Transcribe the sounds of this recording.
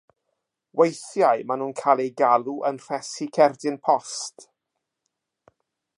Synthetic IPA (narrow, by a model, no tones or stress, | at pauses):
wejθjajmanuːnkʰaːlˠejɡalˠuʔənr̥ɛsikʰɛrdɪnpʰɔst